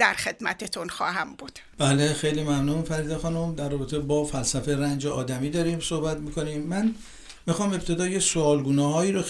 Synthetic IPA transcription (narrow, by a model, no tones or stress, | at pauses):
d̪æ̰ɾχe̞d̪̥mæ̰t̪ʰet̪ʰonxɒ̰ːɦæmbud̪̥b̥æːlexejliːmæmnunfæɾid̪exɒnumd̪æɾrːɒːbet̪ʰe̞bɒːfælsæfeɾænd͡ʒeɒːd̪æmiːd̪ɒːɾiːmso̞hbæt̪miːkʰo̞niːmːæn | mixɒːme̞bt̪ʰe̞d̪ɒːjesoɒːlɡuːnɒːɦɒːiːɾo